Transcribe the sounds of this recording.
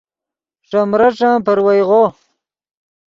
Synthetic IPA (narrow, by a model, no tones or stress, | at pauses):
ʂamɾaʈ͡ʂãːpəɾwajʁo